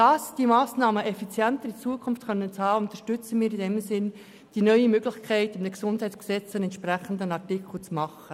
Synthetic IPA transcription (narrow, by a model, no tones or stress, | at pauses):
d̥ɑsd̥imɑːsnɑːməʔɛfit͡sjɛntəɾit͡suəkʰʊnftχœnːənt͡shɑːʊnt̪əʃtʏt͡səmiːɾidɛmsɪn | d̥inœʏimøɡlɪçkʰɛɪtɪmd̪əɡsʊndhɛɪtt͡sksɛt͡sɛnɛntʃpɾæχən̩d̪ənɑtikʰl̩t͡smɑχə